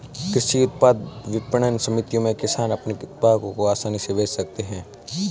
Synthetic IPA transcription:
kɾɪʃiʊt̪̚paːd̪ʋɪpəɳ̃ənsɐmɪt̪ijõmẽkɪsaːnɐpneʊt̪̚paːd̪kõkoaːsaːniseʋeːd͡ʒsɐk̚t̪eɦɛ̃ː

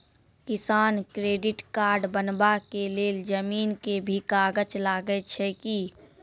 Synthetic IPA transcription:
kɪsaːnkɾeːɖɪʈkaːɾɖbənbakeleːld͡ʒəmiːnkebʱikaːɡət͡ʃlaːɡəet͡ʃʰɛki

